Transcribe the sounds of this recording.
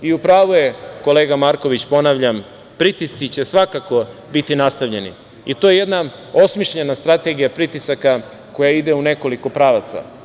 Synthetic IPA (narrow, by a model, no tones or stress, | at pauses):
iupɾaːʋuje̞ko̞le̞ːɡamaɾko̞ʋit͡ɕpo̞naʋʎam | pɾit̪ist̪sit͡ɕe̞sʋakako̞bit̪inast̪aʋʎe̞nḭ | it̪o̞jeje̞d̪na | o̞smiʃʎe̞nast̪ɾat̪e̞ɡijapɾit̪isaka | ko̞jaid̪e̞une̞ko̞liko̞pɾaːʋat̪sa̰